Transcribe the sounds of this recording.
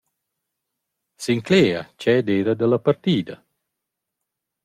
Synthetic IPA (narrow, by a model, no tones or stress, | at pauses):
siŋkleːa̰t͡ʃɛd̪eːɾad̪əlapart̪iːd̪ɐ